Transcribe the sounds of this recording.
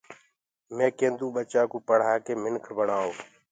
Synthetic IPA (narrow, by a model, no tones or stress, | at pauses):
mẽːkẽːnd̪ũːɓət͡ʃaːkuːpəɽ̤aːkeːmɪnkʰbəɳaːoː